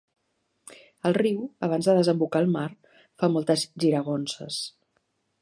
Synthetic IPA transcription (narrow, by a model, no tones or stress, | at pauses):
əlˠriwəβ̞anzðəðəzəmbukaːlˠmaɾ | famɔlˠt̪əzʒiɾəɣ̞onsə̰s